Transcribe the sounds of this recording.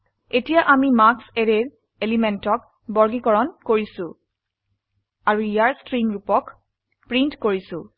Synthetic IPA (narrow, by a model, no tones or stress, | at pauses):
etijaʔamimakseɹeɹ | elimentɔk̚ | bɔɹɡikɔɹɔnkoɹisʊ̃ | aɹuijaɹstɹimɹupɔk | pɹintkoɹisʊ̃